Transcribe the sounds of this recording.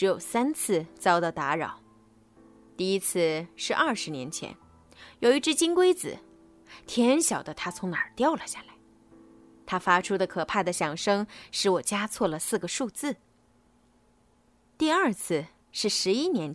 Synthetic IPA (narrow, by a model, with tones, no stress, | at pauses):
ʈ͡ʂɻ̩˧˥jo˨˩ʊsa˥nt͡s̩ʰ˥˩t͡sɑ˥ʊt̪ɑ˧˩t̪a˧˥ɻɑ̰˨˩˦ʊ | t̪i˥˩i˥t͡sʰɹ̩˥˧ʂɻ̩˥˧ʔɐ˞˥˩ʂɻ̩˧˥njɛ˧˥nt͡ɕʰjɛ̰˧˥n | jo˨ʊi˥˧ʈ͡ʂɻ̩˥t͡ɕi˥ŋkwe˥ɪt͡sɹ̩̰˨˩˦ | t̪ʰjɛ˧˥nɕjɑ˨˩ʊd̪ə˦t̪ʰa˥t͡sʰʊ˧˥ŋna˞˨˩t̪jɑ˥˩ʊlə˩ɕja˥˩la˧˥ɪ | t̪ʰa˥fa˥ʈ͡ʂʰu˥d̪ə˨kʰɤ˨˩pʰa˥˩d̪ə˩ɕjɑ˨˩ŋʂɤ˥ŋʂɻ̩˧˥wɔ˨˩t͡ɕja˥t͡sʰwɔ˥˩lə˩sɹ̩˥˩ɡə˩ʂu˥˧t͡sɹ̩˥˩ | t̪i˥˧ɐ˞˥˧t͡s̩ʰ˥˧ | ʂɻ̩˥˩ʂɻ̩˧˥i˥njɛ˧˥n